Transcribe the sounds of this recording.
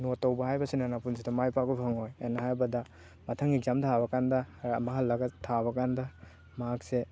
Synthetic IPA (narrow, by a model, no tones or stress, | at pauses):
notːowbɐhajbɐsinanapunsidɐmajpakubʰɐŋojanːɐhajbɐdɐ | mɐtʰɐŋiɡzamtʰabɐkandɐɾmɐɦalːɐɡɐtʰaβɐkandɐ | maɦakse